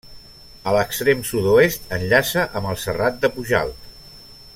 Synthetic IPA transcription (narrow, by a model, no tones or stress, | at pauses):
ələkst̪ɾemsut̪uest̪ənʎasəʔəməlˠsərat̪̚d̪əpuʒa̰lˠt̪